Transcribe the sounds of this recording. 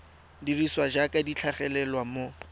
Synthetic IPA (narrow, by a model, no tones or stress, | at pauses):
diriswad͡ʒakʼadit͡ɬʰaχɛlɛlwamo